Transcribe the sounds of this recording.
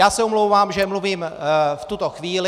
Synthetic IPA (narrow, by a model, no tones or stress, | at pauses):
jaːsɛomlowvaːmʒɛmluviːmft̪ut̪oxviːlɪ